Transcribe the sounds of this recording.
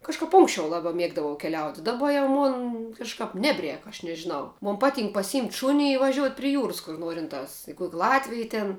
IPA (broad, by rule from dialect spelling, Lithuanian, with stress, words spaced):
kɐʃˈkɐp ˈʊŋksʲt͡ʃʲɛʊ ˈlˠɑːbɐ ˈmʲiɛɡdɐʋɐʊ kʲɛˈlʲɛʊtʲɪ dɐˈbɐ jɛʊ ˈmoːn kɐʃˈkɑːp ˈnʲæːbʲˌrʲɛːk ɐʃ nʲɛʒʲɪˈnɐʊ ˈmoːn ˈpɑːˌtʲiːŋk pɐsʲɪˈjiːmʲtʲ ˈʃuːnʲɪ ɪ ʋɐˈʒʲuɔtʲ pʲrʲɪ ˈjuːrɐs kʊr ˈnuɔrʲɪntɑːs ɪ kuɔkʲ ˈlˠɑːtʲʋʲɪj tʲɛn